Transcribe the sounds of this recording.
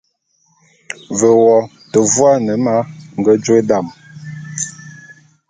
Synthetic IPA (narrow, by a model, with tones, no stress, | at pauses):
və˨wɔ˨ | tə˨vwa˦nə˨ma˦ŋ̩˨ɡə˦d͡ʒwe˦da˦˨m